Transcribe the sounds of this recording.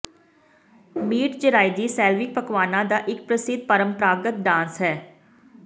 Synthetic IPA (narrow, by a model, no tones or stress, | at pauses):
miːʈd͡ʒəɾaːiːd̪iːsɛːlʋɪk̚pəkʋaːnãːd̪aːʔɪk̚pɾəsɪd̪̚pəɾəmpɾaːɡət̪̚ɖãːnsɦɛː